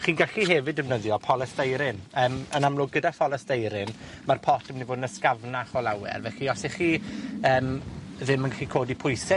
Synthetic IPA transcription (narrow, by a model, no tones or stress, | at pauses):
χiːnɡaɬiɦɛvɪdɪvnəðjɔpʰɔlˠəsdejɾɪnəːmənamlˠʊɡ̚ɡədafɔlˠəsd̥ejɾɪn | marpʰɔtʰəmnivoːdnəskavnaχɔlˠawɛ̰rvɛɬiɔsɛχiəːmðɪmənɡaxikʰoːdipʰʊjsɛ